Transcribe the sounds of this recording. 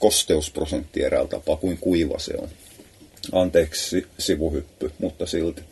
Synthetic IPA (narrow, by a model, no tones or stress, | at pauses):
kost̪eusprosent̪ːieræ̰lt̪ɑ̰pɑkuiŋkuiʋɑ̰sḛo̰n | ɑnt̪eːkssisiʋuhypːymut̪ːɑsilt̪